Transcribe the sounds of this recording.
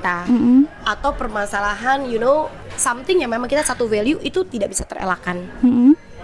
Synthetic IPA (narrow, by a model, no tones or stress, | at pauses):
t̪am̩at̪awpərmasalaɦanjuno | samt̪ɪŋjamemãŋkit̪asat̪uveliuʔit̪ut̪idaʔbisat̪əɾḛlakanm̩m̩